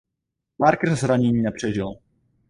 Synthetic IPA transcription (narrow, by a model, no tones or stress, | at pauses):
maɾkrzɾaɲɛɲiːnɛpr̝̥ɛʒɪl